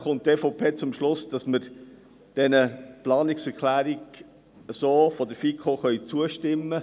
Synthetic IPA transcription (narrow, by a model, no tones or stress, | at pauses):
χʊnt̚teːfopʰeːt͡sʊmʃlʊsd̥ɑsməɾ | d̥ɛnəplɑːnɪksɛɾkʰlæːɾiɡ | əsoːfɔdəfikʰoχœʏt͡suəʃtɪmːə